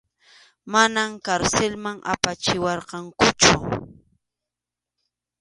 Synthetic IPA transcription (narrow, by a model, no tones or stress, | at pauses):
manamkaɾselmaŋʔa̰pat͡ʃɪwɑɾqɑŋkʊt͡ʃʊ